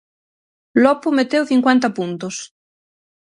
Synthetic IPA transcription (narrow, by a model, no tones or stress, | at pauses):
lɔpʊmet̪ewθiŋkwent̪ɐpunt̪os